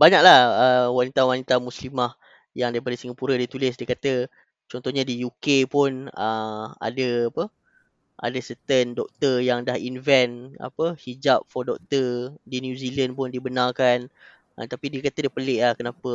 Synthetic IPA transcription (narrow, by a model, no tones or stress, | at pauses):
baɲak̚lahəwanit̪awanit̪amuslimah | jaŋdaɾipadəsiŋɡapuɾədit̪ulɪsdiəkat̪ə | t͡ʃɔnt̪ɔhɲadijukepʊnəa̰dəapə | ʔa̰dəsət̪əndɔk̚t̪əjaŋdahinvɛna̰pəhid͡ʒap̚fɔrdɔk̚t̪ədinjuzilənpʊndibənarkan | ə̰t̪apidiəkat̪ədiəpəleʔlahkənapə